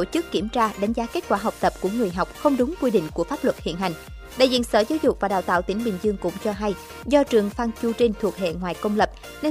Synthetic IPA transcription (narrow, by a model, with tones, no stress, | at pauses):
o˧˩t͡ɕɨ˦˥kːi˧˩əmt͡ɕaː˧ɗa˨˦ŋ̟zaː˨˦ke˦˥t̚kwaː˧˩ɦa˨˩k͡p̚t̪ə˨˩p̚ku˧˩əŋɨ˨˩əjɦa˨˩wk͡p̚xə˧wŋ͡mɗʊ˨˦ŋ͡mkwi˧ɗḭ˧˨ŋ̟ku˧˩əfaː˦˥p̚lwə˨˩t̚hḭ˧˨nɦa˨˩jŋ̟ | ɗa̰ː˧˨jzḭ˧˨ənsəː˧˩zaː˨˦wzʊ˨˩k͡p̚vaː˨˩ɗaː˨˩wt̪a̰ː˧˨wt̪ï˧˩əŋɓï˨˩ŋ̟zɨ˧əŋkʊ̰˧˥ŋ͡mt͡ɕɔ˧ɦa˧j | zɔ˧t͡ɕɨ˨˩əŋfaː˧ŋt͡ɕu˧t͡ɕi˧ŋ̟t̪ʰu˨˩ək̚ɦḛ˧˨ŋwaː˨˩jkə˧wŋ͡mlə˨˩p̚ | ne˧